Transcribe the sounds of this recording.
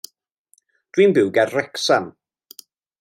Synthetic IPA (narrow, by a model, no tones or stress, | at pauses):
d̥winbɪwɡɛrrɛksam